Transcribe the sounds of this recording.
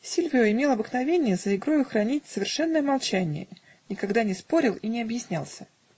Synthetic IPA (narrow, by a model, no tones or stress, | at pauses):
sʲilʲvʲɪʊɪmʲe̞lˠɐbəɨknɐvʲenʲɪjəzəɪɡɾojʊxɾɐnʲit̚ʲsəvʲɪrʂɛnːəjəmɐlˠt͡ɕænʲɪ̰jə̰ | nʲɪkɐɡd̪anʲɪspo̞ɾʲɪlˠinʲɪɐbjɪsʲnʲalˠsʲə̥